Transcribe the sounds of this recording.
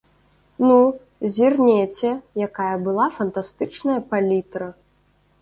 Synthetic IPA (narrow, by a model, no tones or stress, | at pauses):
nu | zʲirnʲɛt͡sʲɛjakajɐbɨlˠafɐnt̪ast̪ɨt͡ʂnɐjɐpalʲit̪ɾɐ